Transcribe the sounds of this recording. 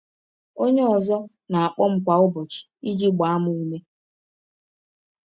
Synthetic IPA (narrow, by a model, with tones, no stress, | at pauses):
o˦ɲe˦ɔ˨zɔ˦ | na˨a˨k͡pɔ˦ŋ͡m̩˦kʷa˨ʊ˦bɔ˨t͡ʃi̥˨i˦d͡ʒi˦ɡ͡ba˨a˦mʊ˦u˦me˦